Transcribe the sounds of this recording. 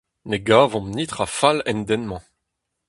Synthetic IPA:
neɡaːvɔ̃mnit̪χafalɛ̃nd̪ɛnmɑ̃

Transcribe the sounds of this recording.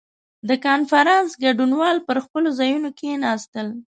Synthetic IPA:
d̪əkɑnfaɾɑnsɡaɖunwɑlpəɾxpəlozɑjunokenɑst̪əl

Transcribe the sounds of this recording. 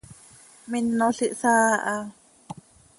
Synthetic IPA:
minːoɬiʔsaːʔɑ

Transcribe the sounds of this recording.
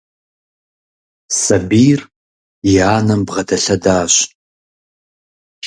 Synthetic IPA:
sɐbiːr | ɪaːnɐmbʁɐdɐɬɐdaːɕ

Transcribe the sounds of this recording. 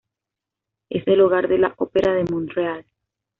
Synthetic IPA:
ḛseluɣaɾðe̞laʔopeɾʔaðemõnreal

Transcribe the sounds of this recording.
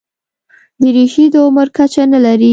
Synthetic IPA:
d̪əɾeʃid̪əʊməɾkat͡ʃanalaɾi

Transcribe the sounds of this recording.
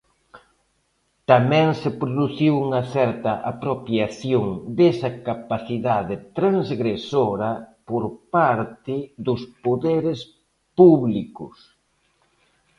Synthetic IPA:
t̪amɛ̃ŋsɪpɾoðuθiwuŋɐθɛɾt̪ɐʔa̰pɾopjaθjoŋd̪esɐkapaθiðaðɪt̪ɾaŋzɣɾesoɾɐpoɾpaɾt̪ɪðʊspoðeɾɪs | puβlikʊ̰s

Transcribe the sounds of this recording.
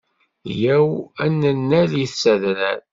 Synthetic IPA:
jæwænːənːæliθsæðɾæn

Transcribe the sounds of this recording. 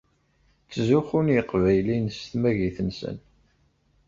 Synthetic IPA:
t͡sːzuxunjəqvæjlinst̪mæʝiθənsə̰n

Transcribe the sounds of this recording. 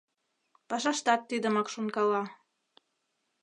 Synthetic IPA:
pɑʃɑʃt̪ɑt̪ːid̪ə̆mɑkʃunkɑlɑ

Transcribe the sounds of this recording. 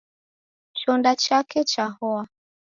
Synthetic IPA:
t͡ʃɔndat͡ʃakɛt͡ʃahɔa

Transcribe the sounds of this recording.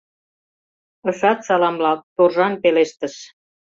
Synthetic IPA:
ə̆ʃɑt̪sɑlɑmlɑt̪orʒɑnpeleʃt̪ə̆ʃ

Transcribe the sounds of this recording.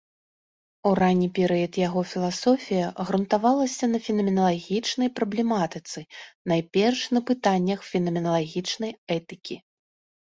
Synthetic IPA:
uɾanʲːipʲɛɾɨjɐt̪jaɣɔfʲilˠasɔfʲijɐɣɾunt̪avalˠɐsʲɐnɐfʲinɐmʲɛnɐlˠaɣʲit͡ʂnɐjpɾɐblʲɛmat̪ɨt̪sɨnajpʲɛrʂnɐpɨt̪anʲːɐxfʲɛnɐmʲɛnɐlˠaɣʲit͡ʂnɐjɛt̪ɨkʲi

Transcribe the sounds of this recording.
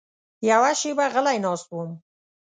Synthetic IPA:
jawaʃibaɣəlajnɑːs̚uəm

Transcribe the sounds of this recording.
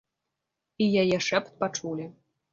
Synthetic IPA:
ijajɛʂɛpt̪̚pat͡ʂulʲi

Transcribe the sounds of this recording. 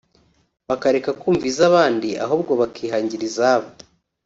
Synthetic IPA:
βakaɾe̞kakuːɱviːzaβaːndiʔa̰ɦoːbɡo̞βakʰiːɦaːɲɟiɾizaβo

